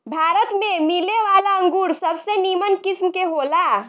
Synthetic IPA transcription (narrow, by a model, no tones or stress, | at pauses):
bʱaɾət̪memileʋalaəŋɡuɾsəbʱsenimənkismkeɦola